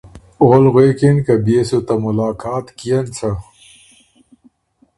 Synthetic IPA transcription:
oːlɣweːkinkɐbeːsut̪ɐmulaːkaːt̪kijɐnt͡sʰɐ

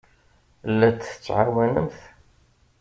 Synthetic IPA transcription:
lːæt͡sːθə̥t͡sːʕawænə̰mθ

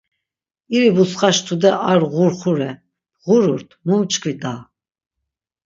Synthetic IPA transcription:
iɾibusχaʃt̪ʰud̪ɛʔaɾʁuɾχuɾɛ | ʁuɾuɾt̪ʰmumt͡ʃʼkʰvid̪a

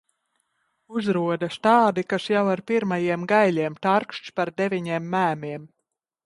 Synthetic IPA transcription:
uzɾuɔd̪aʃt̪aːd̪ikaʃjawaɾpiɾmajiɛmɡajlʲiɛmt̪aɾkʃt͡ʃpaɾd̪evʲiɲiɛmːæːmʲiɛm

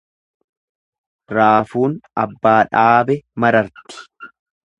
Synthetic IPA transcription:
ɾaːfuːnɐbːaːᶑaːbɛmɐɾɐɾt̪ɪ̥

